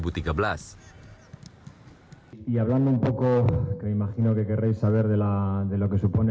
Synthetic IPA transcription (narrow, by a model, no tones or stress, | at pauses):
but̪ikaβlas | iaβ̞land̪oumpo̞kokemeimaxino̞ke̞ke̞rejsːaβ̞e̞ɾðe̞laðe̞lo̞ke̞supo̞ne